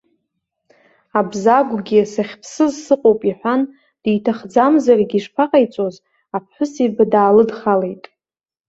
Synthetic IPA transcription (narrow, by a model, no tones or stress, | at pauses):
abzaɡʷɡʲisaχʲpʰsɨzsɨqʼowpʼiħʷan | d̥ijtʰaχd͡zamzarɡʲiʂpʰaqʼajt͡sʷʼo̞z | apʰħʷʊsibadaːlɨdχalejtʼ